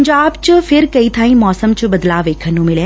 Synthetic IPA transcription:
ɲd͡ʒaːbt͡ɕfʰɪɾkɐit̪ʰaːĩmɔːsəmt͡ɕbɐd̪laːʋeːkʰənːũmɪlẽː

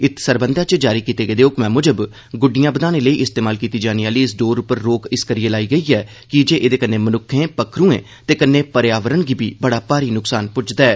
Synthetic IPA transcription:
ɪt̪ʰsəɾbənd̪ãːt͡ʃd͡ʒaːɾiːkiːt̪eːɡəːd̪eːʊkmɛ̃ːmʊd͡ʒəb | ɡʊɖijãːbəd̪aːnẽːləiːʔɪst̪eːmaːlkiːt̪iːd͡ʒaːniaːliːɪsɖoːɾʊpəɾːoːkɪskəɾijeːlaːiːɡəiːɛː | kɪd͡ʒeːʔeːd̪eːkənːeːmənʊkʰːẽːpəkʰɾũːḛ̃ː | t̪eːkənːeːpəɾjaːʋəɾəɳɡiːbʱiːbəɽaːpaːɾiːnʊksaːnpʊt͡ʃd̪aɛː

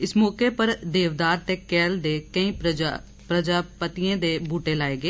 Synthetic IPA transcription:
ɪsmɔːkepəɾd̪eːʋd̪aːɾt̪eːkɛːld̪eːkəĩː | pɾəd͡ʒaːpət̪iẽːd̪eːbʱuːʈeːlaːeːɡeː

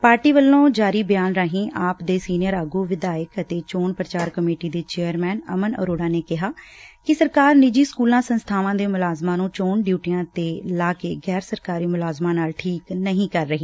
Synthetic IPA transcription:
paːɾʈiːʋəlːõːd͡ʒaːɾiːbɪjaːnɾaːɦĩːʔaːpd̪eːsiːnɪjəɾaːɡuːʋɪd̪aːɪəkət̪eːt͡ʃoːɳpɾət͡ʃaːɾkəmeːʈiːd̪eːt͡ʃeːəɾmɛːnə̰mənə̰ɾoːɽaːneːkɪɦaːkɪsəɾkaːɾnɪd͡ʒiːskuːlãːsənst̪ʰaːʋãːd̪eːmʊlaːzmãːnũːt͡ʃoːɳɖjuːʈɪjãːt̪eːlaːkḛːɡɛːɾsəɾkaːɾiːmʊlaːzmãːnaːlʈʰiːknəɦĩːkəɾːəɦiː

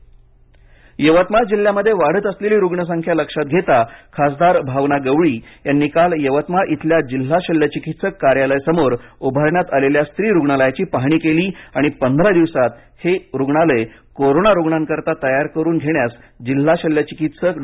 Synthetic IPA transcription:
jəʋət̪mad͡ʑil̤ːjaməd̪ʱːjeʋaɽ̤əːt̪əsleliːɾuɡɳəs̬aŋkʰjaləkʂat̪̚ɡʱet̪akʰasd̪aɾbʱaʋnaɡəʋɭiːjanːiːkaljəʋət̪maʔit̪ʰljad͡ʑil̤ːaɕəljət͡ɕikit̪səkːaɾjaləjsəmoɾubʱaɾɳjat̪aleljast̪ɾiːɾuɡɳaləjat͡ɕiːpaɦɽ̃iːkeliːaɽ̃ipənd̪ʱɾad̪iʋsat̪ | heɾuɡɳaləe | koɾonaɾuɡɳankəɾt̪at̪əjaɾkəɾuːnɡʱeɽjas | d͡ʑil̤ːaɕəljət͡ɕikit̪sək

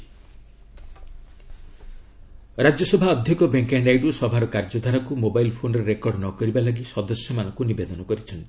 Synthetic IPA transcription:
ɾad͡ʒjɔsɔbʱaɔd̪ʱjikɔbeŋkeɳɖajɖusɔbʱaɾɔkaɾd͡ʒɔd̪ʱaɾakumobajlpʰonɔɾeɾekɔɾɖnɔkɔɾibalaɡisɔd̪ɔsjɔmanɔ̃ŋkunibed̪ɔnɔkɔɾit͡ʃʰɔnt̪i

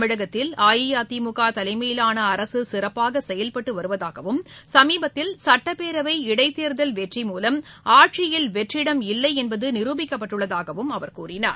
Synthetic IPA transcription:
mɪɽɐɣɐt̪ːɪlaːjɪjaːt̪imʊɣaːt̪ɐlɐɪmɐjɪlaːnɐːɾɐsɯsɪrɐpːaːɣɐsɛjɐlpɐʈːɯʋɐɾɯʋɐðaːɣɐʋɯmsɐmiːbɐt̪ːɪlsɐʈːɐpeːɾɐʋɐɪɪɽɐɪt̪ːeːɾðɐlʋɛʈrimuːlɐmaːʈʂɪjɪlʋɛʈrɪɽɐmɪlːɐɪɛnbɐðɯnɪɾuːbɪkːɐpːɐʈːɯɭːɐðaːɣɐʋɯmɐʋɐɾkṵːrɪna̰ːɾ

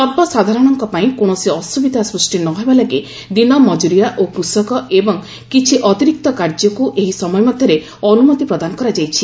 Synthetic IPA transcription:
sɔbɔsad̪ʱaɾɔɽ̃ɔŋkɔpaĩkoɳ̃ɔsiɔsubid̪ʱasɾusʈinɔɦebalaɡe | d̪inɔmɔd͡ʒuɾijaʔokusɔkɔebɔŋ | kit͡ʃʰiʔɔt̪iɾik̚t̪ɔkaɾd͡ʒɔkuʔeɦisɔmɔjɔmad̪ʱjɔɾe | ɔnumɔt̪ipɾɔd̪anɔkɔɾad͡ʒajt͡ʃʰi

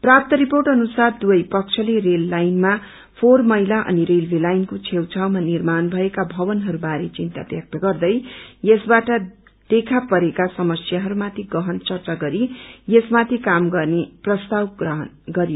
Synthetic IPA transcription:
prap̚t̪ʌɾiporʈʌnusard̪uʌjpʌk̚t͡sʰʌlerelːajnma | pʰormʌɦilaʔʌ̰niɾelbilajnkot͡sʰewt͡sʰawmanirmanbʱʌekabʱʌbʌnɦʌɾubaɾet͡sint̪a̰bjʌk̚t̪ʌɡʌrd̪ʌjjesbaʈʌ | d̪̥ekʰapʌɾekasʌmʌsjaɦʌɾumat̪ʰiɡʌɦʌnt͡sʌrt͡saɡʌɾijesmat̪ʰikamɡʌrneprʌst̪awɡrʌɦʌn | ɡʌɾijo

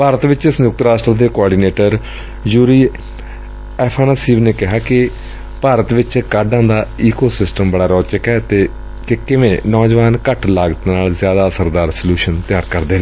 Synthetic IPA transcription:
paːɾət̪ʋɪt͡ʃsnʊk̚t̪əɾaːsʈɾaːd̪eːkoɔːɖiːneːʈəɾ | juːɾiː | ɛːpʰaːnaːsiːʋneːkɪɦaːkɪ | paːɾət̪ʋɪt͡ʃkaːɖãːnd̪aːiːkoːsɪsʈəmbəɽaːɾɔːt͡ʃəkɛːt̪eː | kɪkɪʋẽːnɔːd͡ʒʋaːnkəʈlaːɡt̪naːlzɪjaːd̪aːsəɾd̪aːɾsəljuːʃənt̪ɪjaːɾkəɾd̪eːneː

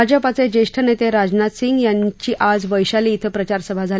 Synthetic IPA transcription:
ad͡ʑəpat͡sed͡ʑeʂʈʰənet̪eɾad͡ʑnat̪siŋɡjaɲt͡ɕiːʔad͡zʋəjɕaliːt̪ʰəpɾət͡ɕaɾsəbʱad͡zʱal

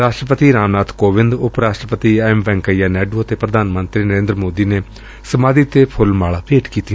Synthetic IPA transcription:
ɾaːʃʈɾəpət̪iːɾaːmnaːt̪koːʋɪnd̪ʊpɾaːʃʈɾəpət̪iːaːɪmʋɛ̃ːŋkəijaːnɛːɖuːət̪eːpɾəd̪ʱaːnmənt̪ɾiːnəɾẽːnd̪ɾəmoːd̪iːneː | səmaːd̪iːt̪eːpʰʊlmaːɭaːpeːʈkiːt̪i

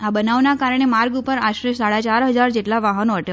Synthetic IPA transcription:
abənaʋnakaɾəɳ̃emaɾɡupəɾaɕɾeʃsaɭat͡ɕaɾɦəd͡zaɾd͡ʑeʈlaʋaɦənoəʈj

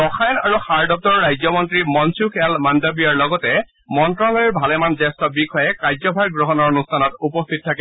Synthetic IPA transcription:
ɔxʰajnaɹuxaɹdɔp̚tɔɹːajzɔmɔntɹimɔnsukʰɛalmandobijaɹlɔɡɔtɛ | mɔntɹɔlɔɹiɹbʱalɛmanzɛstɔbikʰɔjɛkaɹjzɔbʱajɡɹɔɦɔnɔɹɔnustʰanɔtupɔstʰit̚tʰːakɛ

